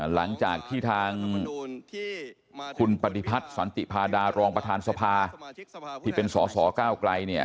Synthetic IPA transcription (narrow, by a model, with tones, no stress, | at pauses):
la̰˩˦ŋt͡ɕaː˨˩k̚t̪ʰiː˥˩t̪ʰaː˧ŋ | kʰu˧npa˧t̪i˧pʰa˦˥t̪̚sa˩˦nt̪ḭ˨˩pʰaː˧daː˧ɾɔː˧ŋpɾa˧t̪ʰaː˧nsa˧pʰaː˧ | t̪ʰiː˥˩pe˧nsɔː˩˦sɔː˩˦kaː˥˩wkla˧jni˥˩ɐ